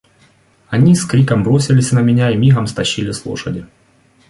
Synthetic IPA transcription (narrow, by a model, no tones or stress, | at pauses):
ɐnʲiskɾʲikɐmbɾosʲɪlʲɪsʲnɐmʲɪnʲaimʲiɣɐmst̪ɐɕːilʲɪslˠo̰ʂɐdʲɪ